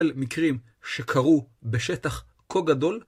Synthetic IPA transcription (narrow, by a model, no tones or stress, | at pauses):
lmikʁim | ʃekʰaʁu | beʃet̪aχ | kʰoɡad̪o̞l